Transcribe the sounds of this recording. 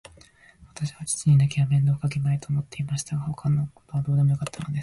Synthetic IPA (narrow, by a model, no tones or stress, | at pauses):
βat̪aɕiβat͡ɕi̥t͡ɕiɲ̟inakʲiβamẽ̞nd̪o̞ːkakenait̪o̞ːmo̞t̪ːe̞imaɕi̥t̪aɡaho̞kʰanoko̥t̪o̞βad̪o̞ːd̪e̞mojo̞kat̪ʰːano̞d̪es